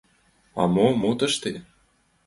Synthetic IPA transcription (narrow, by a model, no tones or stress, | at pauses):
ɑ̰momut̪ə̆ʃt̪e